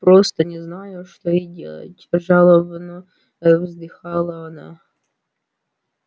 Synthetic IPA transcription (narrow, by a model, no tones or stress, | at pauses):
pɾost̪ənʲɪznajʊʂt̪oidʲḛlˠə̰tʲʐalˠəvənɔ | vzd̪ɨxalˠəɐna̰